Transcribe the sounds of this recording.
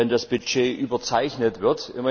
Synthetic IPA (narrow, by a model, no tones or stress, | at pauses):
ɛndasb̥yʃeːʔyːbɐt͡saɪçnətv̥ɪɐtʔɪ̰mɐ